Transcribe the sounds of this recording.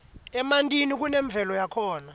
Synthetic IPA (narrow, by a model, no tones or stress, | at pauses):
ɛmantʼinik̬unɛɱb̪vʱɛlɔjakʰɔːna